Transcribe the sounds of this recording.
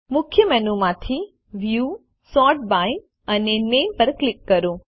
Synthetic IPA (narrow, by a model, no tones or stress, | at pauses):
mʊkʰjəmɛnumãt̪ʰi | ʋju | sɔʈ̚baj | ənenempəɾklɪkːəɾũ